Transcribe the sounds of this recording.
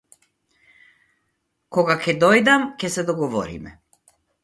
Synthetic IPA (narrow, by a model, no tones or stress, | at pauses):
kɔɡakɛd̪ɔjd̪amcɛsɛd̪ɔɡɔvɔ̰ɾḭmɛ̰